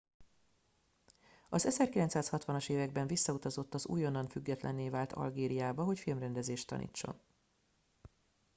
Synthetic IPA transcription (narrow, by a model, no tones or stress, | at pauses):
ɒzɛzɛrkilɛnt̪saːshɒt̪ʋɒnɒʃeːvɛɡ̚bɛɱvisːɒut̪ɒzo̞t̪ːɒzṵːjo̞nːɒnfyɡːɛt̪lʔɛ̰nːeːvaːlt̪ʰɒ̰lɡeːɾijaːbɒɦo̞cfilmrɛnd̪ɛzeːʃt̪ːɒ̰nḭːt͡ʃːo̞̰n